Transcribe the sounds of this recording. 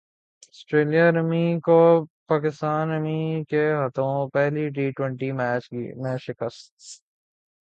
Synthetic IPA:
ɐsʈɾeːlijaɾəmikopaːkɪst̪aːnɐmikeɦɐt̪õpɛɦliɖiːʈwə̃ɳʈimɛːt͡ʃɡḭmẽːʃɪkəst̪

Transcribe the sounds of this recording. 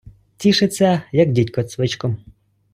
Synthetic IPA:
tʲiʃɪt͡sʲːɐjɐɡdʲitʲkɔsʋɪt͡ʃkɔm

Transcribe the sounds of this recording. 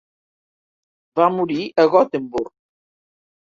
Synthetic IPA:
vamuɾiʔəɣɔt̪embuɾ

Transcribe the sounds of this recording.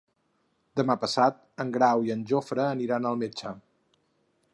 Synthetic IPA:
d̪əmapəsat̪̚əŋɡɾawiənʲʒofɾəːniɾanəlˠmet͡ʃə

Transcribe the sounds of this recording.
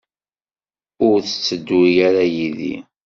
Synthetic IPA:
ʊɾθə̥t͡sːəd̪ːijaɾajiðḭ

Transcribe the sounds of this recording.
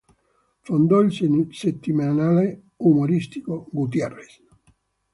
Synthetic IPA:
fond̪ɔilsset̪ːimanale | umoɾist̪ikoɡut̪̬jɛrːes

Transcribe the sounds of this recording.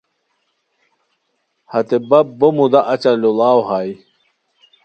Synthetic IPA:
hɐt̪ebɐbomud̪aʔɐt͡ɕɐlulaːwɦaːj

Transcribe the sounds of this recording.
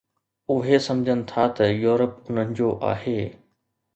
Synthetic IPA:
ʊɦesɐ̃md͡ʑʱənɪ̆t̪ʰat̪ɐjuːɾəpʊn̤ənɪ̆d͡ʑoʔa̰ːɦeː

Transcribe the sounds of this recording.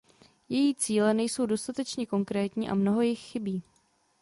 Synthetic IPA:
jɛjiːt͡siːlɛnɛjso̞wdo̞st̪at̪ɛt͡ʃɲɛko̞ŋkɾɛːt̪ɲiːʔa̰mno̞ɦo̞jɪxxɪbiː

